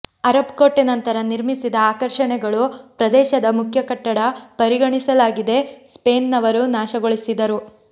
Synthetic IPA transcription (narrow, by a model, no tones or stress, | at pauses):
ɐɾɐpkoʈːenɐnt̪ɐɾɐniɾmisid̪ɐaːkɐɾʂɐɳɛɡɐɭupɾɐd̪ɛːʃɐd̪ɐmukʰjɐkɐʈːɐɽɐpɐɾiɡɐɳisɐlaːɡid̪e̞speːnːɐʋɐɾunaːʃɐɡoɭisid̪ɐɾu